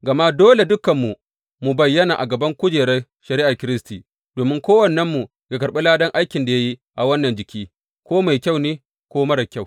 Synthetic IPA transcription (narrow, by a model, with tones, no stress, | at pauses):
ɡɐ˨ma˦doː˦le˨dʊ˦kɐ˨mːu˨ | mu˨bɐ˨jːɐ˦na˨ʔa̰˨ɡɐ˨bɐ˦ŋkʷʊ˦d͡ʒeː˨ɽe˦ | ʃɐ˨ɾɪ˦ʔa˨kʲɪ˦ɾɪ˦stiː˨ | d̥oː˨mɪ˦ŋkʷoː˦wɐ˨nːɐ˦mːu˨ | ɡa˨kɐ˨ɾɓe˦laː˦dɐ˦ŋʔa˦jkʲɪ˨nda˨ja˦ji˦ʔa˨wɐ˦nːɐ˨nd͡ʒɪ˨kʲiː˦ | kʷoː˦ma˨jkʲa˦wneː˦ | kʷoː˦mɐ˦ɽɐ˨kʲa˦w